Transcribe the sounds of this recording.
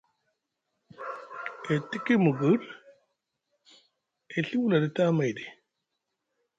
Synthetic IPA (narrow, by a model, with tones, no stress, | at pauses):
e˨ti˦ki˦mu˨ɡɨ˦l | e˨ɬi˦wu˦la˨di˦ta˦ma˨jdi˨